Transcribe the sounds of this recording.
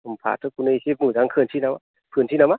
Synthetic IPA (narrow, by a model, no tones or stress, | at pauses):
mpʰa̰tʰɯkʰunɯisep̚mɯzaŋkʰɯntʰinama | pʰɯntʰinama